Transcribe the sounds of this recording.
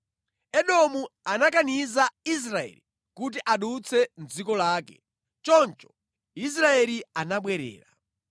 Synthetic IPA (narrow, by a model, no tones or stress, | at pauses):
ɛɗɔmuanakanizais̬ɾaɛ̰li | kut̬iʔaɗut͡sʰɛnzikɔlaːkɛ̰ | t͡ʃɔnt͡ʃɔ̥ | is̬ɾaɛlianaɓwɛɾɛ̰ːɾa